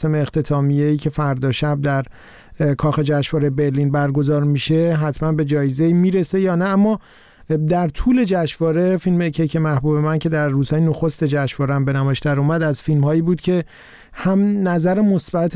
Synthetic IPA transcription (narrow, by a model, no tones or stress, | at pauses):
se̞meːxt̪ʰe̞t̪ʰɒːmije̞iːcʰe̞fæɾd̪ɒːʃæb̚d̪æɾ | kʰɒːxe̞d͡ʒæʃvɒːɾebe̞ɾliːnbæɾɡo̞zɒːɾmiʃe̞ɦæt̪ʰmænbe̞d͡ʒɒːjeze̞iːmiːɾe̞se̞jɒːnææmːɒː | d̪æɾt̪ʰuːle̞d͡ʒæʃvɒːɾe̞filmecʰejkcʰemæhbube̞mæncʰe̞d̪æɾːuːshɒːjinoxost̪e̞d͡ʒæʃvɒːɾeæmbe̞næmɒːjeʃd̪æɾumæd̪æzfilmhɒːjiːbuːd̪̥cʰe̞ | hæmnæzæɾe̞mosbæt̪ʰ